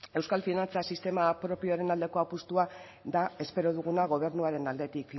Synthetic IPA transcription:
e̞wskalfinant͡sasist̪e̞mapɾo̞pioaɾe̞nald̪e̞ko̞apust̪ua | ðae̞spe̞ɾo̞ðuɣ̞unaɣ̞o̞β̞e̞ɾnuaɾe̞nald̪e̞t̪ikf

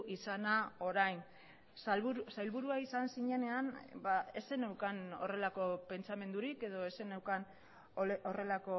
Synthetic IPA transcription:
isanao̞ɾajn | βusajlβuɾuaisansiɲene̞anbae̞se̞newkano̞̰re̞lako̞pe̞nt͡same̞nd̪uɾike̞ðo̞e̞se̞nawkan | ore̞lako̞

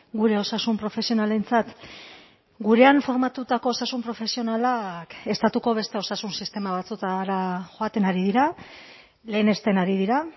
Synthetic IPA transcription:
ɡuɾe̞o̞sasumpɾo̞fe̞sio̞nale̞nt͡sat̪ | ɡuɾe̞aɱfo̞ɾmat̪ut̪ako̞ːsasumpɾo̞fe̞sio̞nalake̞st̪at̪uko̞β̞e̞st̪e̞o̞sasunsist̪e̞maβ̞at͡sut̪aɾaʝo̞at̪e̞naɾið̞iɾa | le̞ːne̞st̪e̞naɾið̞iɾa

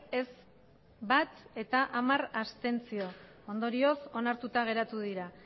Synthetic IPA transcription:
e̞z | bat̪e̞t̪aʔamarast̪e̞nt͡sio̞ | ond̪o̞ɾio̞so̞naɾt̪ut̪aɣ̞e̞ɾat̪uðiɾa

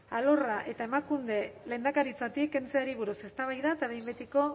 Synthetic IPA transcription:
alo̞raʔe̞t̪ae̞makund̪e̞le̞ːnd̪akaɾit͡sat̪ikːe̞nt͡se̞aɾiβ̞uɾuse̞st̪aβ̞ajðaet̪aβe̞jmbet̪iko̞

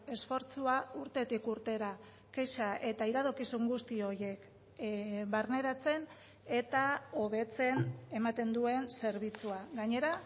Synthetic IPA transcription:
e̞sfo̞ɾt͡suauɾt̪e̞t̪ikuɾt̪e̞ɾa | keʃaʔe̞t̪aiɾaðokisuŋɡust̪io̞je̞k | βaɾne̞ɾat͡se̞n | e̞t̪ao̞βe̞t͡se̞ne̞mat̪e̞nd̪ue̞nse̞ɾβ̞it͡suaɣaɲe̞ɾa

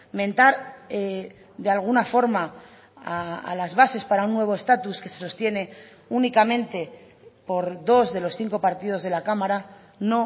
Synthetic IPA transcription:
mẽ̞nt̪aɾe | d̪ealɣ̞unafo̞ɾma | a̰ːlazβase̞spaɾaunːwe̞β̞o̞e̞st̪at̪uske̞se̞̥so̞st̪je̞ne̞ | unikamẽ̞nt̪e̞ | po̞ɾðo̞zðe̞lo̞sθiŋko̞paɾt̪ið̞o̞zðe̞lakamaɾa | no̞

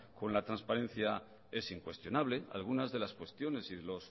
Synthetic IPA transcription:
ko̞nlat̪ɾanspaɾẽ̞nθja | e̞siŋkwe̞st̪jo̞naβle̞a̰lɣ̞unazðe̞laskwe̞st̪jo̞ne̞siðe̞lo̞s

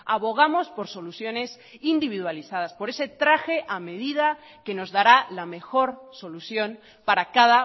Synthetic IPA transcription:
aβo̞ɣ̞amo̞spo̞ɾso̞luθjo̞ne̞s | ind̪iβ̞iðwaliθað̞aspo̞ɾe̞se̞t̪ɾaxe̞ʔame̞ð̞ið̞a | ke̞no̞zðaɾalame̞xo̞ɾso̞luθjo̞n | paɾakaða

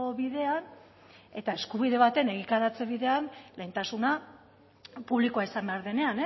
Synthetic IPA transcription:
oβiðe̞an | e̞t̪ae̞skuβiðe̞β̞at̪e̞ne̞ɣikaɾat͡se̞βiðe̞anle̞jnt̪asuna | puβlikoaisambeaɾðe̞ne̞ane

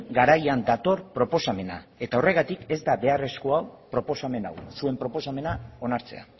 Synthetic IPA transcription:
ɡaɾajand̪at̪o̞ɾpɾo̞po̞same̞na̰e̞t̪ao̞re̞ɣ̞at̪ike̞zd̪aβe̞are̞sko̞awpɾo̞po̞same̞nawsue̞mpɾo̞po̞same̞nao̞naɾt͡se̞̰a̰

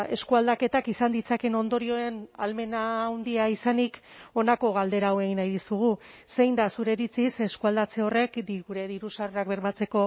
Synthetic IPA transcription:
e̞skuald̪ake̞t̪akisand̪it͡sake̞no̞nd̪o̞ɾio̞e̞nalme̞nawnd̪iaisaniko̞nako̞ɣald̪e̞ɾaːwe̞ɣinajðisuɣ̞use̞jnd̪asuɾe̞ɾit͡sise̞skuald̪at͡se̞o̞re̞kd̪iɣuɾe̞ðiɾusareakbe̞ɾmat͡se̞ko̞

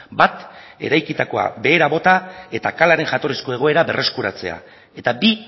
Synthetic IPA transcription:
bat̪e̞ɾajkit̪ako̞a̰be̞ːɾaβo̞t̪ae̞t̪akalaɾe̞ŋʝat̪o̞risko̞e̞ɣ̞o̞e̞ɾaβe̞rʔe̞skuɾat͡se̞̰a̰ | e̞t̪abi

